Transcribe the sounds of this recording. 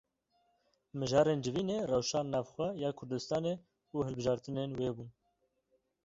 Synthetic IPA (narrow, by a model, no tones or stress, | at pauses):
mɨʒɑːɾeːnd͡ʒɪviːneːrɛwʃɑːnːɑːvxʷɛjɑːkʰʊɾd̪ɨst̪ɑːneː | uːhɨlbɨʒɑːɾt̪ɨneːnweːbuːn